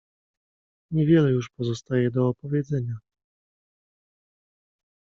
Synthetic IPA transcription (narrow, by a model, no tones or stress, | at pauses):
ɲɛvʲjɛlɛjuʂpɔzɔst̪ajɛd̪ɔːpɔvʲjɛd̪zɛɲa